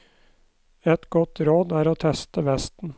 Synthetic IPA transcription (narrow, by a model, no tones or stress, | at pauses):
ɛt̪ɡɔt̪ɾoːd̪æːɾoːt̪ʰɛst̪əʋɛst̪n̩